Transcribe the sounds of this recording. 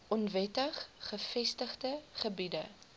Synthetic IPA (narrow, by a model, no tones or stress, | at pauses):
ʔɔnvɛtəχχəfɛstəχdəχəbidə